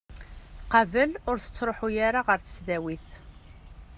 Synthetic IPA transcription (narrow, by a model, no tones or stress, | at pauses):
qɑvəlʊɾθə̥t͡sːɾˤoħujaɾaʁəɾθə̥t͡sðæwiθ